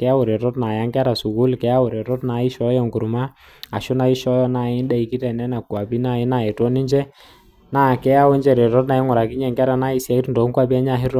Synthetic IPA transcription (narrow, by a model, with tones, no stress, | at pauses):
kɛ˨˦a˦ʊ˨ɾɛ˨ɾɔ˦tna˨ja˦ŋɡa˦ɾa˨sʊ˨ku˦lkɛ˦a˦wʊ˨ɾɛ˨ɾɔ˦tna˨˦ɪ˦ʃɔ˦jɔ˨ŋɡu˨ɾma˦ | a˨ʃʊ˦na˨i˦ʃɔ˦jɔ˦na˨ɪ˦n˦da˦i˨ki˦tɛ˨nɛ˦na˨kwa˨bi˦na˦˨ɪ˦na˨ɛ˨tɔ˦ni˦ɲd͡ʒɛ˦ | na˦˨kɛ˦a˦wɔ˦ɲd͡ʒɛ˨ɾɛ˨ɾɔ˦tna˨i˦ŋʊ˨ɾa˨ki˦ɲɛ˦˨ŋɡa˦ɾa˨na˦i˦sja˨i˦tndɔ˨˦kwa˦bi˦a˦ɲa˦˨ɦi˦ɾɔ˦